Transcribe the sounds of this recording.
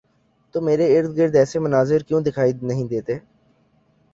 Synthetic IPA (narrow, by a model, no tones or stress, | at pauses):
t̪oːmeːɾeɪɾd̪̚ɡɪɾd̪ɛːsemʊnaːzɪɾkjõːd̪ɪkʰaːinɐɦĩd̪eːt̪eː